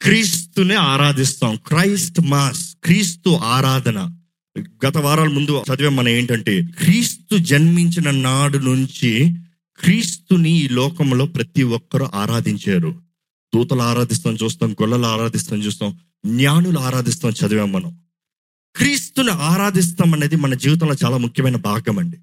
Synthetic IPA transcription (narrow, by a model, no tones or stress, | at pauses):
kɾiːst̪uneaːɾaːd̪ist̪aːmkɾɐjsʈmaːskɾiːst̪uʔaːɾaːd̪ʱɐnɐ | ɡɐt̪ɐʋaːɾaːlɐmund̪ut͡ʃɐd̪iʋeːmːɐnɐme̞ːɳʈɐɳʈe̞ːkɾiːst̪ud͡ʒɐnmiɲt͡ʃinɐnaːɽunuɲt͡ʃi | kɾiːst̪uniiːlɔːkɐmlo̞ːpɾɐt̪iwɔkːɐɾuʔaːɾaːd̪iɲt͡ʃaːɾu | d̪uːt̪ɐluaːɾaːd̪is̬t̪aːmt͡ʃuːst̪aːmɡɔɭːɐluaːɾaːd̪ist̪aːmt͡ʃuːst̪aːm | njaːnuluaːɾaːd̪ist̪aːmt͡ʃʰɐd̪uʋeːmːɐnɐm | kɾiːst̪uniaːɾaːd̪is̬t̪aːmɐne̞ːd̪imɐnɐd͡ʒiːʋit̪̬ɐmlo̞ːt͡ʃaːlaːmukʰjɐmɐjnɐbaːɡɐmɐɳɖi